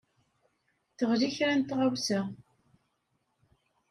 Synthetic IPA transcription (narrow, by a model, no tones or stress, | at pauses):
θəʁliçɾænt̪ʁawsə